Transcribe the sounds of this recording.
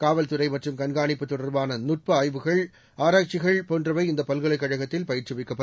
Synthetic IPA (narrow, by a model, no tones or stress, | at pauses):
kaːʋɐlt̪ɯɾɐɪmɐʈrɯmkɐnɡaːnɪpːɯt̪ːɔɽɐɾʋaːnɐnʊʈ̚pɐaːjʋɯɣɐɭ | aːɾaːk̚t͡ʃɪɣɐɭpoːndrɐʋɐɪɪnd̪ɐpɐlɣɯɭɐɪkːɐɻɐɣɐt̪ːɪlpɐjɪɾt͡ʃɯʋɪkːɐpːɐ